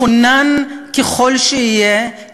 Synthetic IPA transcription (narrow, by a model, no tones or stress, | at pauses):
onankeχolʃeije